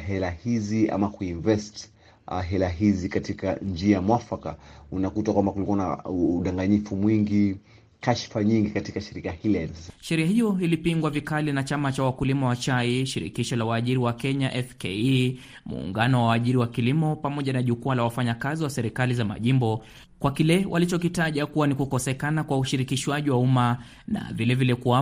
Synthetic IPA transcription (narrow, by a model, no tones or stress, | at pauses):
ɦɛlahizia̰makuiɱvɛst | ɦɛlaɦizikatika̰nd͡ʒiamwafaka̰unakutakwambakulikuwana̰uɗaŋɡaɲifumwiŋɡi | kaʃfaɲiŋɡikatikaʃiɾikahilɛnsʃɛɾiahijɔilipiŋɡwavikalinat͡ʃamat͡ʃawakulimawat͡ʃaiʃiɾḭkiʃɔlawaʄiɾiwakɛɲaʔɛfke | mṵːŋɡanɔwawːʄiɾiwakilimɔpamɔʄanaʄukualawafaɲakaziwasɛɾikalizama̰ʄimbɔ | kwakilɛwʔalit͡ʃɔkitaʄakuwanikukɔsɛkanakwauʃiɾikiʃwaʄiwauma | na̰vilɛvilɛkua